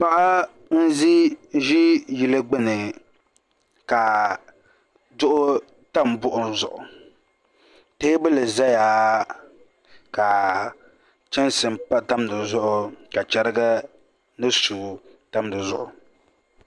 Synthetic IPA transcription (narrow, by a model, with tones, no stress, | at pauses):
pa˦ʔa˦ | n̩˦zi˦ʒi˦ji˨lɨ˦ɡ͡bɪ˦nɨ˨ | ka˨ | dʊ˦ʔʊ˦ | ta˦mbʊ˦ʔʊ˨zʊ̰˨ʔʊ̰˨ | te˦bɨ˦lɨ˨za˦jaː˨ | ka˨ | t͡ʃɛ˦nsɨ˨mpa˦ta˦mdɨ˨zʊ˦ʔʊ˨ka˨t͡ʃɛ˦ɾɨ˦ɡa˦ | nɨ˦suː˨ | ta˦mdɨ˨zʊ̰˦ʔʊ˨